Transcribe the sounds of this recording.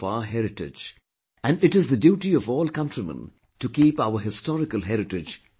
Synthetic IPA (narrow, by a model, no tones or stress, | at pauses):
aɦɛɾɪʈɪ̰d͡ʒ | æ̃nɖɪʈɪzðədjuːʈiɔvɔːlkʌ̃ntɾimə̰̃n | ʈukiːpaʊəɦɪstɔɾɪkəlɦɛɾɪʈɪd͡ʒ